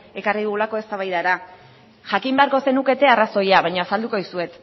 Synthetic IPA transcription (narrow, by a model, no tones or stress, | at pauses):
e̞kariðuɣulako̞e̞st̪aβajðaɾa | ʝakimbe̞aɾko̞se̞nuke̞t̪e̞araso̞jaβaɲoasald̪uko̞ðisue̞t̪